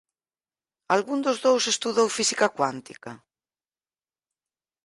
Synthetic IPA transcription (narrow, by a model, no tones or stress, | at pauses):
alɣund̪ozðowsest̪uðowfisikakwant̪ikɐ